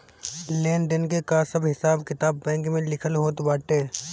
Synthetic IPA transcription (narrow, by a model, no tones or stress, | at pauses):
leːnɖənkekasɐbɦɪsaːbkɪt̪aːbːɛ̃ːŋkmẽlɪkʰəlɦoːt̪baːʈeː